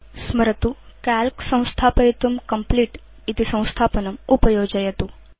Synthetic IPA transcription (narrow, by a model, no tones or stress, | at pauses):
sməɾət̪u | kælksə̃w̃st̪ʰaːpəjit̪umkəmpliʈ | it̪isə̃w̃st̪ʰaːpənɐmupəjoːd͡ʒajɐt̪u